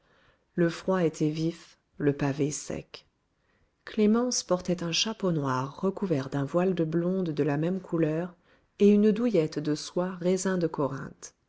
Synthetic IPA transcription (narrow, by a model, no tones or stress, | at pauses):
ləfχwaet̪ʰɛvif | ləpavesɛ̰k | klemɑ̃spɔʁt̪ɛt̪ɛ̃ʃaponwaʁːəkuvɛʁd̪ɛ̃vwald̪əblɔ̃d̪ːəlamɛmkʰulœʁ | eynd̪ujɛt̪d̪əswaʁezɛ̃d̪əkɔʁɛ̰̃t̪